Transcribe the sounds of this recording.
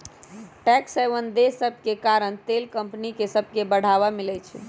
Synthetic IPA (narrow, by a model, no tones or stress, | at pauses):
ʈɛksɛjʋənd̪esəb̚ʱkekaɾəɳ̃t̪elkəmpnikesəbʱkebəɽ̤aʋamilɛt͡ʃʰɛ̰